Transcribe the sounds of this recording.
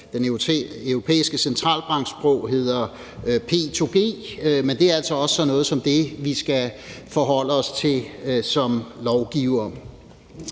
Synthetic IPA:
d̥enøʊʁo̝pʰḛːisɡ̥əsent͡sʰʁɑ̰̈ːlb̥ʁɑ̈ŋ̰ɡ̥sb̥ʁɔʊ̰ɦe̝ð̞̰ˠɐ | pʰe̝̰t͡sʰo̝ɡ̥e̝̰ːmend̥e̝æɐælsɒ̽ɒ̽ssɒ̽nːɔ̽ːð̩ˠsɒ̽md̥e̝ʋisɡ̥æfɒ̽ɦɒ̽l̰əɒ̽st͡sʰe̝sɒ̽mlɒʊɡ̥iʊ̰ɐ

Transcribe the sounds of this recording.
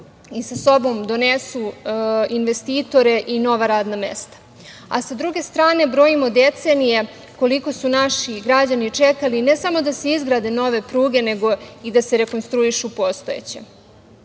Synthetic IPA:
isaso̞bo̞md̪o̞nesuinʋe̞st̪iːt̪o̞ɾe̞ʔino̞ʋaɾaːd̪name̞̰st̪ḁ | a̰sad̪ɾuɡe̞st̪ɾaːne̞bɾo̞imo̞d̪e̞t̪se̞nije̞ | ko̞liko̞sunaʃiɡɾad͡ʑanit͡ʃe̞kaline̞samo̞d̪ase̞izɡɾaːd̪e̞no̞ʋe̞pɾuːɡe̞ne̞ɡo̞id̪ase̞ɾe̞ko̞nst̪ɾuiʃupo̞st̪o̞ḛt͡ɕḛ

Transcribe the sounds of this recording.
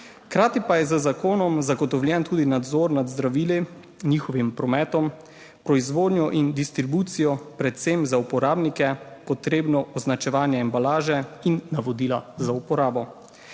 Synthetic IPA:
xkɾaːt̪ipajɛzəzakoːnɔmzaɡɔt̪ɔwljɛnt̪uːd̪inad̪zoːɾnad̪zd̪ɾaʋiːli | niːxɔʋimpɾɔmɛːt̪ɔm | pɾɔizʋoːd̪nʲjɔʔind̪ist̪ɾibuːt̪sijɔpɾɛt̪semzaupɔɾaːbnikɛkɔt̪ɾeːbnɔʔɔznat͡ʃɛʋaːnjɛɛmbalaːʒɛinːaʋɔd̪iːlazaupɔɾaːbɔ

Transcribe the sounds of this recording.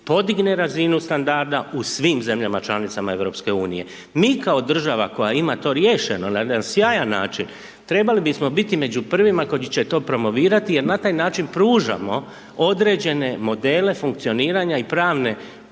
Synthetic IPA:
po̞d̪iɡne̞ɾazinust̪and̪aɾd̪ausʋiːmze̞mʎamat͡ʃlanit̪samae̞ʋɾo̞pske̞uːnije̞̰ | miːkao̞d̪r̩ʒaʋa̰ko̞jaimat̪o̞ɾjeʃeno̞najed̪ansjaːjanːa̰ːt͡ʃin | t̪ɾe̞balibismo̞bit̪ime̞d͡ʑupr̩ʋimako̞it͡ɕe̞t̪o̞ːpɾo̞mo̞ʋiːɾat̪ije̞ɾnat̪aːjnaːt͡ʃinpɾuːʒa̰mo̞ | o̞d̪ɾe̞d͡ʑe̞ne̞mo̞d̪e̞ːle̞fuŋk̚t̪io̞niːɾaɲaipɾaːʋne̞

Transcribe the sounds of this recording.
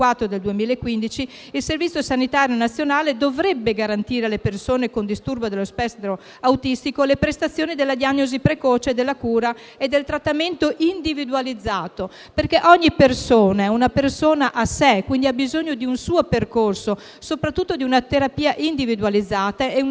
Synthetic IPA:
wat̪ːɾod̪eld̪uemiːleekːwind̪it͡ʃi | ilservit̪sjosanit̪aːɾjonat̪sːjonaːled̪ovɾɛbːeɡaɾant̪iːɾealepersoːnekond̪ist̪urbod̪elːospɛst̪ɾo | awt̪ist̪ikolepɾest̪at̪sːjoːnid̪elːad̪iaɲːozipɾekɔːt͡ʃed̪elːakuːɾa | ed̪ːelt̪ɾat̪ːament̪oʔind̪ivid̪ualid̪zːaːt̪o | perkɛʔɔɲːipersoːnaunapersoːnaʔasɛkwind̪iabizoɲːod̪iunsuːoperkorso | sopɾat̪ːut̪ːod̪iunat̪eɾapiːaʔind̪ivid̪ualid̪zːaːt̪aɛu

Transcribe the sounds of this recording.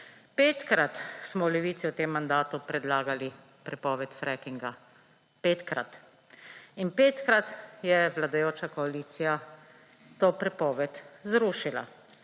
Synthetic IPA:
peːt̪kɾat̪smɔwlɛʋiːt̪siɔt̪eːmːand̪aːt̪upɾɛd̪laːɡali | pɾɛpɔːʋɛt̪fɾɛkiŋɡa | peːt̪kɾa̰t̪ | inpeːt̪kɾat̪jɛʋlad̪ajoːt͡ʃakɔaliːt̪sija | t̪oːpɾɛpɔːʋɛt̪zɾuːʃila̰

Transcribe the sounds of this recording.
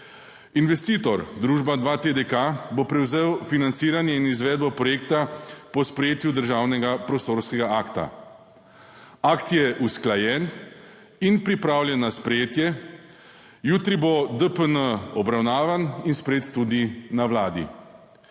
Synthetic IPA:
inʋɛst̪iːt̪ɔɾd̪ɾuːʒbad̪ʋat̪ed̪ekabopɾɛwzeːwfinant̪siːɾanjɛinizʋɛːd̪̚bɔpɾɔjeːk̚t̪apɔspɾjeːt̪jud̪əɾʒaːwnɛɡapɾɔst̪oːɾskɛɡaakt̪a̰ | akt̪jɛʔusklajɛn | inpɾipɾaːwljɛnːaspɾɛjeːt̪jɛ | juːt̪ɾibod̪əpənəɔbɾawnaːʋaninspɾeːt̪ːud̪inawlaːd̪ḭ

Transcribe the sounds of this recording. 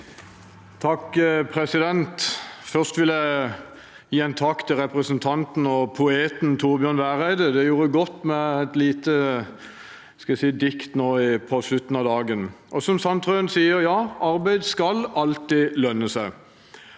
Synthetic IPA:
t̪ʰɑkpʰʁɛsɪd̪ɛnt̪fœʁst̪ʋɪljæɪ | jiːɛnt̪ʰɑkt̪ʰɪlʁɛpʁəsnt̪ʰɑnt̪n̩ɔpʰʊeːt̪nt̪ʰʊʁbjœʁnʋæːʁæɪd̪əd̪ɛjuːɾəɡɔt̪ːmɛæt̪liːt̪ə | skɑæsiːd̪ɪkt̪noːɪpʰɔʂlʉt̪ːn̩ɑd̪ɑːɡənʔɔsɔmsɑnt̪ʰʁøːnsiːəɾjɑːɑɾbæɪd̪skɑlɑlt̪iːlœnːəsæɪ

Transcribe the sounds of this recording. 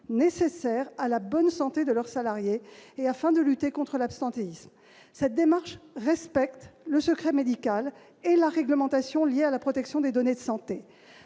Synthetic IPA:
nesesɛʁalabɔnsɑ̃t̪ed̪əlœʁsalaʁjeːafɛ̃d̪əlyt̪ekɔ̃t̪χəlapst̪ɑ̃t̪eism | sɛt̪̚d̪emaʁʃʁɛspɛk̚t̪ləsəkχɛmed̪ikʲal | elaʁɛɡləmɑ̃t̪asjɔ̃ljealapχɔt̪ɛksjɔ̃d̪ed̪ɔned̪əsɑ̃t̪e

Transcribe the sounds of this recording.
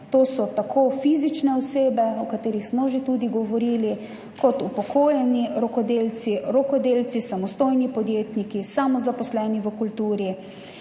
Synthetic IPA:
t̪oːsɔt̪akʰofiːzit͡ʃnɛɔseːbɛɔkat̪eːɾixsmɔʒet̪uːd̪iɡɔʋɔɾiːli | kɔt̪upɔkʰoːjɛniɾɔkɔd̪eːlt̪siɾɔkɔd̪eːlt̪sisamɔst̪oːjnipɔd̪jeːt̪nikisamɔzapɔslɛːniʋəkult̪uːɾi

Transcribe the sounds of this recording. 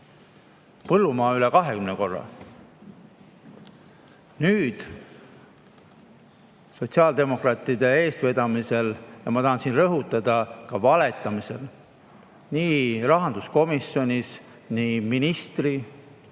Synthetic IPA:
pɤlːumɑːylekɑɦe̞kymneko̞rːɑ̰ | nyːd̪̥ | so̞t̪ʲsiɑːld̪e̞mo̞krɑːt̪ːˑid̪̥e̞e̞ːst̪ve̞d̪ɑmise̞ljɑmɑt̪ɑɦɑnsiːnrɤɦut̪ːˑɑd̪̥ɑkɑvɑle̞t̪ːˑɑmise̞l | niːɾɑɦɑnd̪̥usko̞misjo̞nʲis | niːminist̪ri

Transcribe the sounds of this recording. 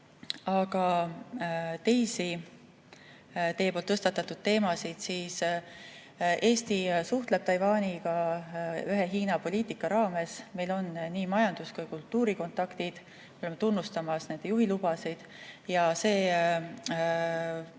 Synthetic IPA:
ɑɡ̥ɑ | t̪e̞jsi | t̪e̞ːpolt̪ɤst̪ɑt̪ːˑɑt̪ːˑud̪̥̚t̪e̞ːmɑsid̪̥siːs | ʔe̞ːst̪isuht̪le̞b̥̚t̪ɑjvɑːnʲikɑ | yɦe̞ɦiːnɑpo̞lʲiːt̪ikːɑɾɑːme̞sme̞jlo̞nniːmɑjɑnd̪̥uskujkult̪ːuːɾiko̞nt̪ɑkt̪id̪̥ | moolemet̪unːust̪ɑmɑsne̞nd̪̥ejuɦilub̥ɑsid̪̥ | jɑse̞ː

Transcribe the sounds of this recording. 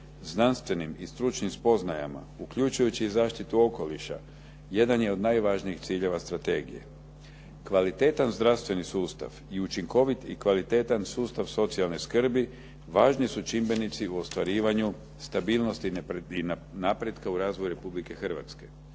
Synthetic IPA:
znanst̪ʋe̞nimist̪ɾut͡ʃnimspo̞znaja̰ma̰ukʎut͡ʃujut͡ɕiːzaːʃt̪it̪uo̞ko̞liʃa̰ | je̞d̪anje̞o̞d̪najʋaːʒniixt̪siːʎe̞ʋast̪ɾat̪e̞ːɡḭje̞̰ | kʋalit̪e̞ːt̪anzd̪ɾaʋst̪ʋe̞nisuːst̪a̰ʋ | iut͡ʃiŋko̞ʋit̪ḭkʋalit̪e̞ːt̪ansuːst̪aʋso̞t̪sialˠneskr̩bi | ʋaːʒnisut͡ʃimbe̞nit̪siuo̞st̪ʋaɾiːʋaɲu | st̪abiːlˠno̞st̪iinapɾe̞d̪kauɾaːzʋojuɾe̞publike̞xr̩ʋa̰t̪ske̞

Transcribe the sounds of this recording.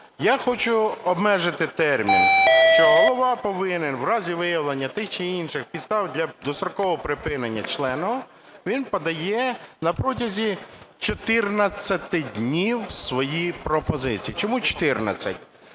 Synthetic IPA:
jaxɔt͡ʃʊɔbmɛʒɪt̪ɪt̪ɛrmʲḭnʃt͡ʃɔɦɔlˠɔʋɑpɔʋɪnɪnwrɑzʲiʋɪjɐwlˠenʲːɐt̪ɪxt͡ʃɪinʃɪxpʲid̪st̪ɑwdʲlʲɐd̪ɔst̪ɾɔkɔʋɔɔpɾɪpɪnenʲːɐt͡ʃlˠɛnɔɦɔ | ʋʲinpɔd̪ɐjɛnɐpɾɔt̬ʲɐzʲit͡ʃɔt̪ɪrnɐt͡sʲːɐt̪ɪdʲnʲiwsʋɔjipɾɔpɔzɪt͡sʲijit͡ʃɔmut͡ʃɔ̥t̪ɪrnɐ̰t͡sʲːɐ̰tʲ

